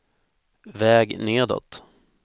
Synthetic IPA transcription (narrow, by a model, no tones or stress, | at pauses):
vɛːɡneːd̪ɔ̰t̪